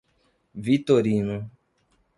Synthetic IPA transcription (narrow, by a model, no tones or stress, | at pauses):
vit̪oɾinũ